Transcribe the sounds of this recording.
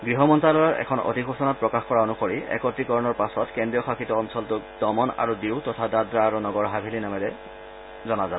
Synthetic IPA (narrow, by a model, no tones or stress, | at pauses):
ɡɹiɦɔmɔntalɔɔɹɛ̰kʰɔno̰tikʰosɔnat̚pɹɔkaxkɔɹaonukoɹiɛ̰kɔtɹikɔɹɔnɔɹpasɔtkendɹijɔxʰakitɔːnsɔltʊkd̥ɔmɔna̰ɹudiwtɔtʰadadɹaːɹunɔɡɔɹɦabʱilinamɛlɛ | zɔnazab